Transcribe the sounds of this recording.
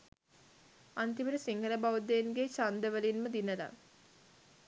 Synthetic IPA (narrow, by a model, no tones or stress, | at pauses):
ant̪iməɾəsiŋɡʱələbaʋud̪eːnɡet͡ʃand̪əʋəlinməd̪inəla̰